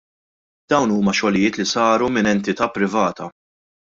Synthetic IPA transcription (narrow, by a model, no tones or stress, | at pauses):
d̪ɐwnuːmɐʃɔlɪjɪːt̪lisɐːɾumɪnɛnt̪ɪt̪ɐpːɾɪvɐːt̪ɐ